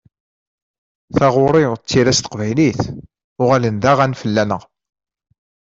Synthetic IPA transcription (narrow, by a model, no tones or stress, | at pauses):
θɑʁʊɾˤɪʁt͡sːiɾæst̪ə̥qvæjliθ | ʊʁælənd̪æʁænfəlːænəʁ